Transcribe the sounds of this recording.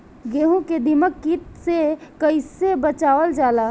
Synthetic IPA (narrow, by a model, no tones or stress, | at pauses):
ɡeːɦũked̪iməkːit̪sekəɪsebət͡ʃaːʋəld͡ʒaːlaː